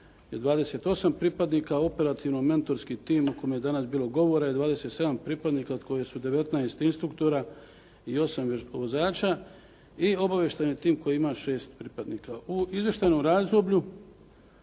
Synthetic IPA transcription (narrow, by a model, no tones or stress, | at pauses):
jed̪ʋaːd̪ese̞t̪o̞sampɾiːpad̪niːkao̞pe̞ɾat̪ʰiʋnome̞nt̪o̞ɾskit̪iːmukojmejed̪anasbiːlo̞ɡo̞ʋo̞ɾajed̪ʋaːd̪e̞set̪se̞d̪ampɾiːpad̪niːkaod̪ko̞jesud̪e̞ʋe̞t̪naest̪inst̪ɾukt̪o̞ɾa | io̞samʋozaːt͡ʃa | io̞baʋje̞ʃt̪ajnit̪iːmko̞jiimaʃe̞ːst̪pɾiːpad̪niːkauizʋje̞ʃt̪ajnomɾaːzd̪obʎu